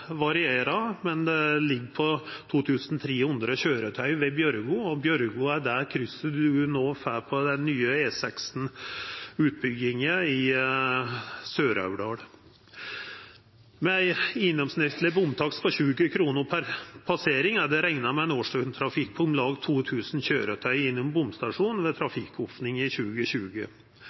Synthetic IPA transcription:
ʋɑɾɪeːɾɑmɛnd̪ɛlɪɡːpʰɔt̪ʰuːt̪ʰʉːsn̩t̪ʰɾeːhʉnd̪ɾəɕøːɾət̪ʰœʏʋɛbjœɾɡʊɔbjœɾɡʊæɖæɾkʰɾʏsːəɖʉnoːfæːpʰɔd̪ɛnːyːəeːsɛksn̩ | ʉːt̪̚bʏɡɪŋəɪ | søːɾɑ̰ʉɖɑːɽ | mɛæɪɪnːɔmsnɪt̪lɪbʊmt̪ʰɑkspʰɔɕʉːɡəkʰɾuːnəɾpʰæɾpʰɑseːɾɪŋæd̪ɛɾæŋnɑmɛɛnoːʂʈøːnt̪ʰɾɑfɪk̚bʰʊmlɑːɡt̪ʰuːt̪ʰʉːsn̩ɕøːɾət̪ʰœʏɪnːʊmbʊmst̪ɑʂuːnʋɛt̪ʰɾɑfɪkʰːɔfnɪŋɪçʉːɡəɕʉːɡə̰

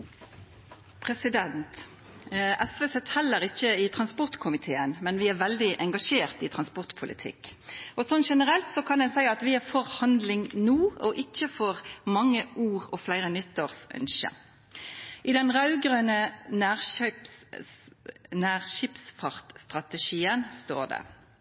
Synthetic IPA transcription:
pʰʁɛsɪd̪ɛnt̪ | ʔɛsʋeːsɛt̪hɛlːəʁɪçəɪt̪ʰʁɑnspɔʁt̪kʰʊmɪt̪ʰeːənmɛnʋɪæɾʋɛld̪ɪʔɛŋɡɑʃeːʁt̪ɪt̪ʰɾɑnspɔʁt̪pʰʊlɪ̰t̪ʰɪ̰kːɔsɔnʃɛnəʁɛlt̪sɔkʰɑnd̪ɛnsæɪɑt̪ʋɪæfɔʁhɑnd̪lɪŋnuːʔɔʔɪçːəfɔʁmɑŋːəʔuːʁɔflæɪɾənʏt̪ːəʁsʔœ̰nʃə̰ | ʔɪd̪ɛnʁɑʉɡɾøːnənæːʁp | næːʁʃɪpsfɑʁt̪st̪ʁɑt̪əʃiːənst̪o̰ːʁd̪ɛ̰

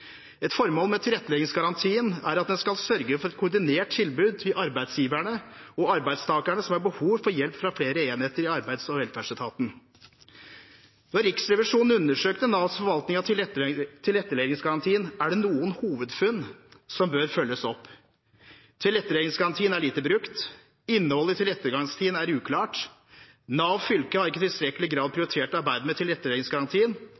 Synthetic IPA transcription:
ɛt̪fɔɾmoːlmɛt̪ʰɪlɛt̪ːəlɛɡɪŋsɡɑɾɑnt̪ʰiːənæɾɑt̪̚d̪ɛnskɑlsœɾɡəfɔɾɛt̪kʰʊɖɪneːʈ̚t̪ʰɪlbʉːd̪ɪʔɑɾbæɪd̪sjiːʋæɳəɔɑɾbæɪst̪ʰɑːkæɳəsɔmhæɾbəhuːʋfɔɾjɛlpfɾɑfleːɾəeːnheːt̪əɾɪɑɾbæɪd̪sɔʋɛlfæʂət̪ʰɑːt̪n̩ | nɔɾɪksɾɛʋɪʂuːnn̩ʉnːəʂøːkt̪ənɑːsfɔɾʋɑlt̪nɪŋɑt̪ʰɪt̪ʰɪlɛt̪ːəɭeɪd̪ɪŋsɡɑɾɑnt̪ʰiːənæɖɛnuːənhuːʋəd̪fʉnːsɔmbøːɾfœlːəsɔpː | t̪ʰɪlɛt̪ːəɭed̪ɪŋsɡɑɾɑnt̪ʰiːənæɭiːt̪əbɾʉkt̪ | ɪnːəhɔlːət̪ʰɪlɛt̪ːəɾɡɑŋst̪ʰiːənæɾʉːkʰlɑːʈ | nɑːʋfʏlkəhɑɾɪkːət̪ɪlst̪ɾɛkːəlɪɡɾɑːd̪̚pʰɾɪʊɾɪt̪ʰeːʈɑɾbæɪd̪əmɛt̪ʰɪlɛt̪ːəɭed̪ɪŋsɡɑɾɑnt̪ʰiːən

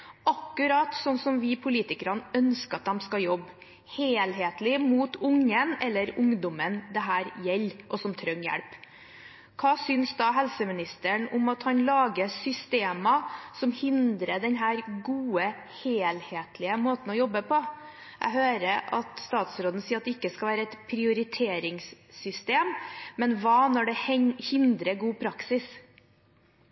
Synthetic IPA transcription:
ʔɑkːʉɾɑːt̪sɔnːsɔmʋɪpʰʊliːt̪ɪkəɾɑnœnskəɑt̪̚d̪ɛmskɑjɔbː | heːlɦeːt̪lɪmuːt̪ʊŋːənɛlːəɾʊŋd̪ɔmənd̪ɛɦæːɾjɛlːʔɔsɔmt̪ʰɾœŋːjæ̰ɽp | kʰɑːsʏnsd̪ɑːɦɛlsəmɪnɪst̪əɳʊmɑt̪hɑnlɑːɡəsʏst̪eːməsɔmhɪnd̪ɾəɖɛnɦæːɾɡuːə | heːlheːt̪ʰlɪəmoːt̪n̩ɔjɔbːəpʰɔ | ʔæ̰ɡhøːɾəɑ̰t̪st̪ɑːt̪sɾoːd̪n̩siːɾɑt̪̚d̪ɛɪkːəskɑlʋæːɾəɛt̪pʰɾɪʊɾɪt̪ʰeːɾɪŋsːʏst̪eːmːɛnʋɑːnɔɖɛhɪnd̪ɾəɡuːpʰɾɑksɪs

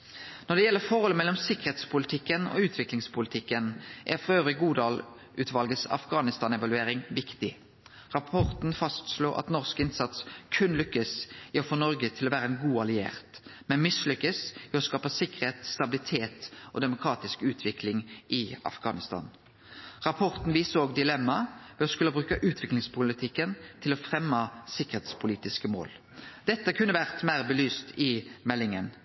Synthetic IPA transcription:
nɔɖ̪ɛjɛlːəfɔʁhɔlːəmɛlːɔmsɪkəʁeːt̪spʊlɪt̪ʰɪkːənɔ̰ʉːt̪ʰʋɪklɪŋspʰʊlɪt̪ʰɪkːənʔæ̰ʁfʁɑøːʋɾɪɡuːd̪ɑːl | ʔʉːt̪ʰʋɑlɡəsɑ̰fɡɑːnɪst̪ɑːnɛʋɑlʉeːʁɪŋʋɪkt̪ɪ | ʁɑpʰɔʁt̪n̩fɑst̪sluːʔɑ̰t̪nɔʁskɪnsɑt̪skʰʉnlʏkːəsɪɔfɔnɔʁɡət̪ʰɪlɔʋæːɾəɛnɡuːɑlɪḛːʁt̪mɛnmɪslʏkːəsɪɔskɑːpəsɪkːəʁheːt̪st̪ɑbɪlɪt̪ʰeːt̪ʔɔ̰d̪ɛmʊkʰɾɑːt̪ɪskʉːt̪ʰʋɪklɪŋʔɪɑ̰fɡɑ̰ːnɪst̪ʰɑ̰ːn | ʁɑpʰɔʁt̪n̩ʋiːsəoːɡd̪ɪlɛmːɑʋɛɔskʉlːəbʁʉːkəʔʉːt̪ʰʋɪklɪŋspʰʊlɪt̪ʰɪkːənt̪ʰɪlɔfɾɛmːəsɪkːəʁheːt̪spʰʊliːt̪ɪskəmo̰ːl | d̪̥ɛt̪ːəkʰʉnːəʋæʁt̪mæɪʁbəlyːst̪ɪmɛlːɪŋən

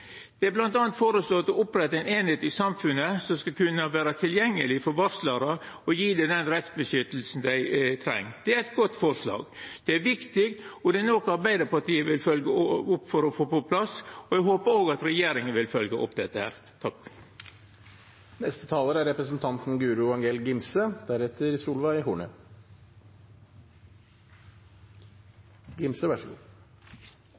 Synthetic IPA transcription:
d̪̥ɛæblɑnt̪ɑːnt̪foːɾəsloːt̪ɔɔpɾɛt̪ːɑæɪneːnheːt̪ɪsɑmfʉnəsɔmskɑkʉnːəʋæːɾət̪ʰɪljɛŋːəlɪfɔɾʋɑɾslɑɾɑ | ɔjiːd̪ɛd̪ɛnɾɛt̪sbəʃʏt̪l̩sn̩d̪æɪt̪ʰɾɛ̰ŋːd̪̥ɛæɾɛt̪ɡɔt̪ːfɔɾʂlɑ̰ːɡd̪̥ɛæɾʋɪkt̪ɪkt̪ɔd̪ɛnoːkəɑɾbæɪd̪əɾpɑʈ̪iːəʋɪlfœlɡəʊpːfɔɾɔfoːpɔpʰlɑsɔæɡɦoːpəɾoːɡɑt̪ɾɛjeːɾɪŋənʋɪlfœlɡəʔɔ̰pd̪ɛt̪ːəhæ̰ːɾ | t̪ʰɑk | nɛst̪ə̥t̪ʰɑːləɾæɾɛpɾəsn̩t̪ʰɑnt̪n̩ɡʉːɾʊɑŋɡeːlɡɪmsəd̪̥æɾɛt̪ʰəɾsuːlʋɑɪhuːɳə̰ | ɡɪmsəʋæʂəkṵː

